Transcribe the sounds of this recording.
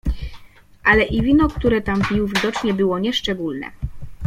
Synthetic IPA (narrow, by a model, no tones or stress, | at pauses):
ʔalɛʔivʲinɔkt̪uɾɛt̪ampʲiwvʲid̪ɔt͡ʂɲɛbɘwɔɲɛʂt͡ʂɛɡulnɛ̰